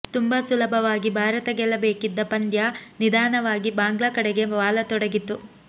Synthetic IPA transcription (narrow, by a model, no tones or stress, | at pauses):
t̪umbɐsulɐbʱɐʋaːɡibʱaːɾɐt̪ɐɡɛlːɐbeːkid̪ːɐpɐnd̪janid̪ʱaːnɐʋaːɡibaːŋɡɭɐkɐɽɛɡe̞ʋaːlɐt̪ɔɽɐɡit̪ːu